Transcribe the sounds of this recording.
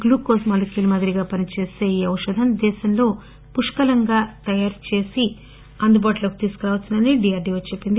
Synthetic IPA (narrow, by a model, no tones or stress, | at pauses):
ɡluːkoːsmɐːlɐkilmɐd̪iɾiɡaːpɐnit͡ʃe̞ːse̞ːiːɐwuʂɐd̪ʱɐmd̪ɛːʃɐmlo̞ː | puʂkɐlɐŋɡaːt̪ɐjaːɾt͡ʃe̞ːsi | ɐnd̪ubaːʈulɐku̥t̪iːsu̥kɐɾaʋɐsɐnɐniɖijaːɾɖiːʋɐt͡ʃepːind̪i